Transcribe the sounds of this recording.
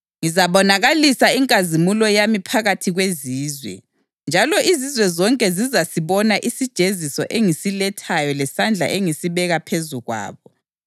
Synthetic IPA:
ŋizaβɔnaɣalisaiŋkʼazimulɔjamipʰaɣatʰiɣweziːzwɛ̰ | nd͡ʒʱalɔʔizizwɛzɔŋkʼɛzizasiβɔnaʔisid̥ʒ̥ʱezisɔ̰ʔeŋisilɛtʰajɔlɛsand͡ɮʱa̰ʔeŋisiβɛɣapʰezuɣwa̰ːβɔ

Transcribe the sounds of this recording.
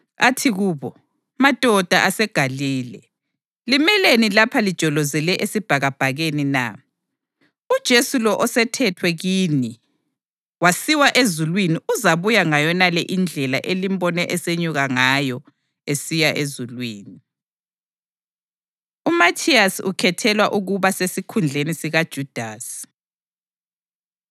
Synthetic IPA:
atʰiɣuːβɔ | mad̥ʱɔd̥ʱaʔasɛɡ̥ʱaliːlɛ | limɛlenilapʰalid̥ʒ̥ʱɔlɔzɛlɛʔesib̥ʱaɣab̥ʱaɣenina̰ | ud̥ʒ̥ʱesulɔʔɔsɛtʰɛtʰwɛɣiːni | wasiwaʔezulwiniʔuzaβujaŋajɔnalɛʔind͡ɮʱɛlaʔelimbɔnɛʔɛseɲuɣaŋajɔ | esijaʔezulwiːni | umatʰiasiukʰɛtʰɛlwaʔuɣuβasesikʰund͡ɮʱenisiɣad̥ʒ̥ʱud̥ʱaːsi̥

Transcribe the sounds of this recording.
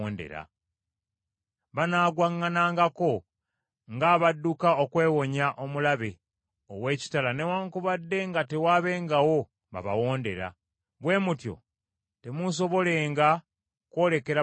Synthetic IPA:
nde̞̰ɾa̰ | βanaːɡwaŋːanaːŋɡako̞ | ŋɡaβadːukaokwe̞ːwo̞ɲaʔo̞mulaβe̞ | owe̞ːci̥talane̞waːŋkuβadːe̞ŋɡate̞waːβe̞ŋɡawo̞ | βa̰βa̰wo̞ːnde̞ɾa̰ | βwe̞ːmutjo̞̰ | te̞muso̞βo̞le̞ːŋɡa | kwo̞ːle̞ke̞ɾa

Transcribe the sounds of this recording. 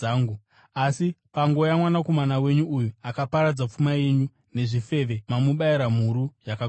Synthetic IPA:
ŋɡu | asipaŋɡo̞jamwanako̞manawe̞ɲuːjuakapaɾad͡zap͡fumaje̞ɲu | ne̞ʐife̞ʋe̞mamuɓajiɾam̤uɾujaka

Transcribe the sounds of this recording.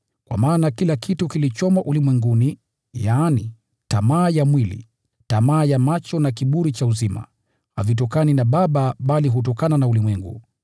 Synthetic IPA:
kwa̰maːnakilakʰitukilit͡ʃɔmaʔulimwɛŋɡuni | jaːni | tamaːjamwilḭ | tamaːjamat͡ʃɔnak̬iɓuɾit͡ʃauzima̰ | ha̰vit̬ɔkaninaɓaɓaɓaliɦut̬ɔkananaulimwɛŋɡṵ

